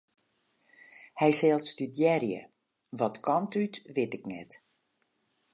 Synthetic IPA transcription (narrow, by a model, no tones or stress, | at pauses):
hɛjsɛlˠtstydjɛɾjə̰ | ʋɔtkʰɔntʰytʋɪtɪknɛ̰t